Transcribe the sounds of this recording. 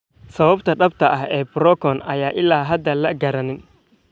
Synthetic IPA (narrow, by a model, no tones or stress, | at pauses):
sɐβɐbt̪ʰɐɖɐbt̪ʰɐʔɐɦɛːbʊɾɔkʰɔːnɐjaːʔɪlaːɦɐd̪ɐlɐɡɐɾɐnɪn